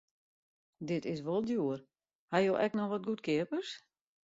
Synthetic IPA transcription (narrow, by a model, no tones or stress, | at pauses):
dɪtɪsʋolˠdjuər | hajoʔɛknɔxʋɔt̚ɡutkʰɪəpərs